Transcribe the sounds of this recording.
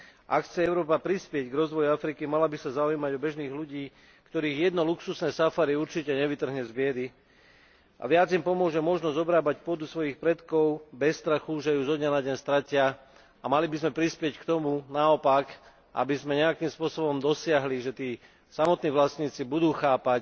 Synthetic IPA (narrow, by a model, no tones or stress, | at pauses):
ʔakxt͡sɛɛʊɾɔːpapɾispɪɛɟɡɾɔzʋɔjuafɾikimalabisazaujiːmaɟɔbɛʒniːɣluɟiː | kt̪ɔɾiːɣjɛd̪nɔluksusnɛːsafaɾiuɾt͡ʃicɛɲɛʋit̪r̩ɦɲɛzbɪɛd̪i | ʔa̰ʋɪad͡zimpɔmʊɔʒɛmɔʒnɔzɔbɾaːbacpʊɔd̪usʋɔjixpɾɛt̪kɔʊbɛst̪ɾaxuʒɛjuzɔd̪ɲanadɟɛɲst̪ɾacɪa | amalibizmɛpɾispɪɛckt̪ɔmunaɔpak | ʔa̰bizmɛɲɛakiːmspʊɔsɔbɔmd̪ɔsɪaɦliʒɛt̪iː | samɔt̪niːʋlasɲiːt͡sibud̪uːxaːpac